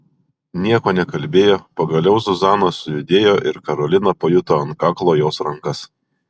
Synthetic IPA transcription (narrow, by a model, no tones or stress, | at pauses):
nʲiɛkoːnʲɛkɐlʲbʲeːjoːpɐɡɐlʲɛʊzʊzɑːnoːsʊjʊd̪ʲeːjoːʔɪɾkɐɾɔlʲɪnɐpojʊt̪oːɐnkɑːklˠoːjoːsɾɐŋkɐs